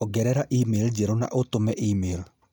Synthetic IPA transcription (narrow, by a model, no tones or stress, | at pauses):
ɔɡɛɾɛɾaʔimeld͡ʒeɾona̰ʔotomɛʔimel